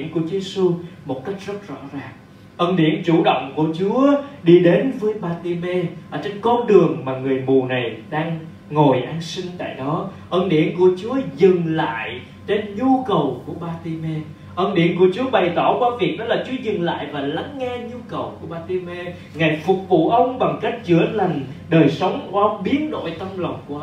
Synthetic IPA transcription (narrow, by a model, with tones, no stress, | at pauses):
i˧ənku˧˩t͡ɕu˨˦je˧su˧mo˨˩t̚ka˦˥jk̟̚z̥ə˦˥t̚zɔ̰˧˥zaː˨˩ŋ | ʔə˧nɗḭ˧˩ənt͡ɕu˧˩ɗo̰˧˨wŋ͡mku˧˩ət͡ɕu˨˦əɗi˧ɗe˨˦nvəː˨˦jɓaː˧t̪i˧mɛ˧ʔəː˧˩t͡ɕe˧nkɔ˧nɗɨ˨˩əŋmaː˨˩ŋɨ˨˩əjmu˨˩na˨˩jɗaː˧ŋ | ŋo˨˩jʔaː˧nsï˧ŋ̟t̪a̰ː˧˨jɗɔ˨˦ʔəː˧nɗḭ˧˩ənku˧˩ət͡ɕu˨˦əzɨ˨˩ŋla̰ː˧˨j | t͡ɕe˧nɲu˧kə˨˩wku˧˩əɓaː˧t̪i˧mɛ˧ | ʔə˧nɗḭ˧˩ənku˧˩ət͡ɕu˨˦əɓa˨˩jt̪ɔ˧˩kwaː˧vi˨˩ək̚nɔ˨˦laː˨˩t͡ɕu˨˦əzɨ˨˩ŋla̰ː˧˨jvaː˨˩la˨˦ŋːɛ˧ɲu˧kə˨˩wku˧˩əɓaː˧t̪i˧mɛ˧ | ŋa˨˩jfʊ˨˩k͡p̚vṵ˧˨ʔə˧wŋ͡mɓa˨˩ŋ͡mka˦˥k̟̚t͡ɕɨ˧˩əla˨˩jŋ̟ɗəː˨˩jsə˨˦wŋ͡mkːʔə˧wŋ͡mɓi˨˦ənɗo̰˧˨jt̪ə˧mlə˨˩wŋ͡mku˧˩ə˦